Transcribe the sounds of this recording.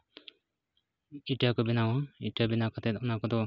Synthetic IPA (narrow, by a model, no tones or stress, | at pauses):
iʈakɔbɛnawɔiʈabɛnakʰat̪ɛt̪ɔnakɔd̪ɔ